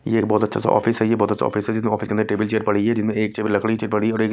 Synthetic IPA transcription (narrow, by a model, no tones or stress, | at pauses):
jeːkbɔːt̪ɐtːʃʰasa̰ʔɔ̰ːfɪsɦɛjebɔːt̪ɐtːt͡ʃʃʰa̰ɔ̰ːfɪsɦɛd͡ʒɪsmẽɔːfɪskẽnɾeʈeːbɪlt͡ʃeːɾpɐɽiɦɛd͡ʒɪsmẽeːk̚t͡ʃeːbəlɐkɽit͡ʃeːɾpɐɽiɔːɾeːk